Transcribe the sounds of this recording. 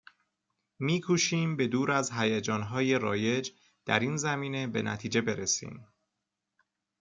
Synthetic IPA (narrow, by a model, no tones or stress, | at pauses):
miːkʰuʃiːmbe̞d̪uːɾæzɦæjæd͡ʒɒːnɦɒːje̞ɾɒːje̞d͡ʒ | d̪̥æɾiːnzæmiːne̞be̞næ̰t̪ʰiːd͡ʒe̞be̞ɾesḭːm